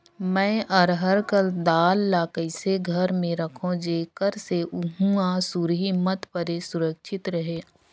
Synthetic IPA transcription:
mɛ̃ːʔəɾɦəɾkəld̪aːlːaːkəɪseɡʱɐɾmẽɾɐkʰõd͡ʒeːkəɾseʔʊɦũasuɾɦimət̪pəɾesʊɾəkʃʰɪt̪ɾɐɦeː

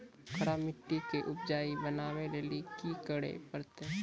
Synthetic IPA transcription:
kʰɐɾamɪʈːikeʔʊpd͡ʒaːibɐnaːʋeleːlikikəɽḛpɐɾt̪e

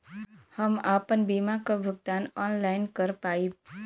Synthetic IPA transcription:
həmapənbimakabʱəɡ̚d̪aːnɔnlaɪnkəɾpaːi

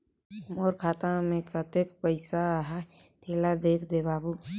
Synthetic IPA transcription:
moɾkʰaːt̪amẽkət̪ekpəɪsaɦa | ʈ̪ʰelad̪ekʰd̪ebaːbu

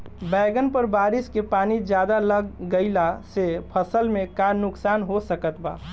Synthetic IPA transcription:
bɛɡənpəɾbaɾiskepanid͡ʒjad̪aləɡɡəɪlasepʰəsəlmẽkanuksanɦosəkət̪ba̰

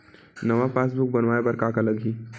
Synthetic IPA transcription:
nɐʋapaːs̬bʊk̚bɐnʋaːebɐɾkakaləɡʱiː

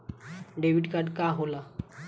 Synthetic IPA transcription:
ɖeʋiɖkaɖkaɦola

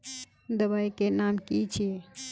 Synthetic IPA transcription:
d̪əβaikenamkit͡ʃʰe

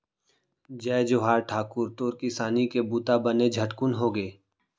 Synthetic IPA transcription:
d͡ʒɛːd͡ʒoɦaːɾʈʰaːkʊɾt̪oːɾkɪsaːnikebuːt̪abəned͡ʒʱɐʈkʊnɦoːɡeː

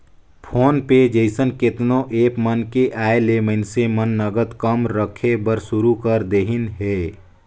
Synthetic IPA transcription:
pʰoːnped͡ʒeɪsənkɪt̪nõʔeːpmənkeʔaːeleməɪnsemənːəɡət̪kəmɾəkʰebəɾsʊɾukəɾd̪eɦɪnɦɛː

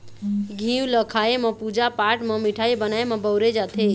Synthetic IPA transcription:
ɡʱiwləkʰaemepud͡ʒapaʈmemiʈʰaibənaemẽbəwɾed͡ʒat̪ʰe

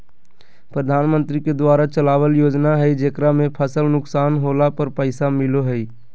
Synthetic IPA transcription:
pɾəd̪ʱaːnmə̃nt̪ɾiked̪waːɾat͡ʃəlaːwəljoːd͡ʒnaɦəid͡ʒeːkɾamẽpʰəsəlnʊksaːnɦoːlapəɾpəɪsamɪloɦəi

